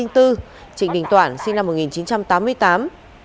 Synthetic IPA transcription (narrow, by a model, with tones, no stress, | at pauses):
i˧ŋt̪ɨ˧ | t͡ɕḭ̈˧˨ŋɗï˨˩ŋ̟t̪waː˧˩nsi˧ŋ̟na˧mːo˨˩ŋi˨˩nt͡ɕi˨˦nt͡ɕa˧mt̪aː˨˦mːɨ˧əjt̪aː˨˦m